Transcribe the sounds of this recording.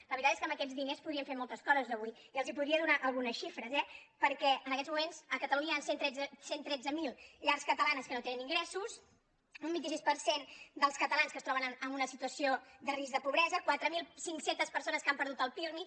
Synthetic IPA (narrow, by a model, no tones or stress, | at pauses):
ləβɾit̪at̪eskəmbəkɛd͡zðinespuðɾiəɱfeɾmɔlˠt̪əskɔzəzðəβuiiəlˠzipuðɾiəðunaʔəlˠɣunəsʃifɾəzɛpəɾkɛənəkɛd͡zzmumenzəkət̪əluɲəansent̪ɾɛd͡zsent̪ɾɛd͡zəmilˠʎaɾskət̪əlanəskənot̪enəniŋɡɾɛsus | umbint̪isispəɾsend̪əlˠskət̪əlanskəst̪ɾɔβənəməmunəsit̪uəsiod̪ərizðəpuβɾɛzəkwat̪ɾəmilˠsiŋksent̪əspəɾsonəskampəɾðut̪əlˠp̪iɾmi